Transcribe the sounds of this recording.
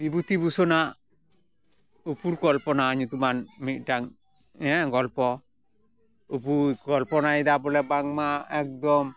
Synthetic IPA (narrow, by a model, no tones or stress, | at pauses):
bibut̪ibusɔna | upuɾkɔlpɔnaɲut̪umanmiʈaŋ | ɛ̃ɡɔlpɔ | upuɡɔlpɔnaid̪abɔlɛbaŋmaɛk̚d̪ɔm